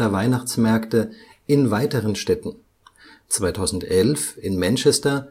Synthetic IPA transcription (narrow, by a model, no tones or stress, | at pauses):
ɐvaɪnaχt͡smɛɐktə | ʔɪnvaɪtəʁənʃtɛtn̩ | t͡sv̥aɪtʰaʊzn̩tʔɛlfɪnmant͡ʃɛstɐ